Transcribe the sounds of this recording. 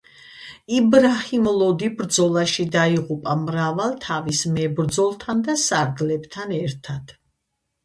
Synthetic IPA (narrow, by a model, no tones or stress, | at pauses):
ibɾahimlˠɔd̪ibɾd̪zɔlˠaʃid̪aiʁupʼamɾavalˠt̪ʰavismɛbɾd̪zɔlˠt̪ʰand̪asaɾɡlɛbt̪ʰanɛɾt̪ʰad̪̥